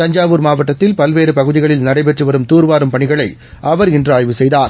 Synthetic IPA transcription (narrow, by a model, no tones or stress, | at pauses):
t̪ɐɲd͡ʒaːʋɯɾmaːʋɐʈːɐt̪ːɪlpɐlʋeːɾɯpɐɣɯðɪɣɐɭɪlnɐɽɐɪp̬ɛʈrɯʋɐɾɯmt̪uːɾʋaːɾɯmpɐɳɪɣɐɭɐɪʔɐʋɐɾɪndraːjʋɯsɛjðaːɾ